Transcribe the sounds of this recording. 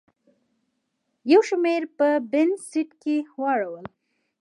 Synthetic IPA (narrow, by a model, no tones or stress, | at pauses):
jawʃmeɾpəbɪnssiʈkehwɑɽawəl